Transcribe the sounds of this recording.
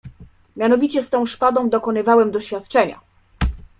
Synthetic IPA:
mʲjanɔvʲit͡ɕɛst̪ɔ̃w̃ʂpad̪ɔ̃w̃d̪ɔkɔnɘvawɛmd̪ɔɕfʲjat̪t͡ʂɛɲa̰

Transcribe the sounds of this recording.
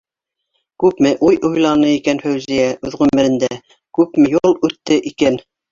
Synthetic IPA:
kʉpmɘʔujʔojlˠɑnɤikænfæwzijæʔʉðʁʉmɘ̆ɾɘ̆nd̪æ | kʉpmɘ̆julˠʉt̪ːɘʔikæn

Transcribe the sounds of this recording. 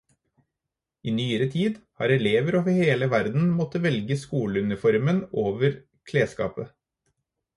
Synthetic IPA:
iːnyːəɾət̪ʰiːd̪hɑ̰ːɾɛleːʋəɾoːʋəɾheːləʋæɾd̪n̩mɔt̪ːəʋɛlɡəskuːləʉnɪfɔɾmənoːʋəɾ | kʰleːskɑ̰ːpə

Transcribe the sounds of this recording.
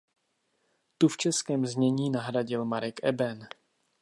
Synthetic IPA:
t̪uft͡ʃɛskɛːmzɲɛɲiːnaɦɾaɟɪlmaɾɛkʔɛ̰bɛn

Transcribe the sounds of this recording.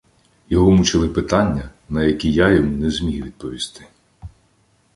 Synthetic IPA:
jɔɦɔmut͡ʃɪlˠɪpɪt̪ɑnʲːɐnɐjɐkʲijajɔmunɛzmʲijʋʲid̪̚pɔʋʲist̪ɪ̥

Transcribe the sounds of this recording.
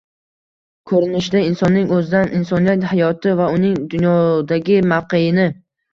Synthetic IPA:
kʰɵɾɪnɪʃd̪aɪnsɒnːɪŋɵzd̪anʔɪnsɒnijat̪hajɒt̪ʰɪvaʊnɪŋd̪ʊnjɒd̪aɡʲɪmavqejɪnɪ

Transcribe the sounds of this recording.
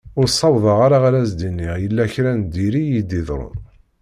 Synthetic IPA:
ʊɾsˤːɑwðˤɑʁaɾaʁaɾæsd̪inːiʁjəlːæçɾænd̪iɾijid̪iðɾˤʊ̰n

